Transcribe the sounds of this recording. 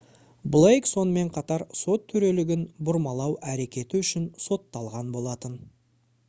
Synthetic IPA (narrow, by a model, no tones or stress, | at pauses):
blˠejkso̞nəme̞ɴqʰɑt̪ɑɾso̞t̪ʰːʏɾe̞lɪɡʲɪnbʊɾmɑlˠɑwʔæɾe̞kʲe̞t̪ɪʏʃɪnso̞t̪ːɑlˠʁɑnbo̞lˠɑt̪ən